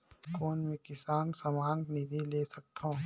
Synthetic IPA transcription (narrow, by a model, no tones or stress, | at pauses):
koːnmẽkɪsaːnsɐmaːnnid̪ʱileːsɐk̚t̪ʰõː